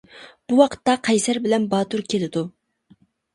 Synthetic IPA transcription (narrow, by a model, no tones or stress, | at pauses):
b̥uwɑqʰə̥t̪ːɑqʰɛjsæɾbɪlɛnbɑːt̪uɾkʲʰelɪd̪u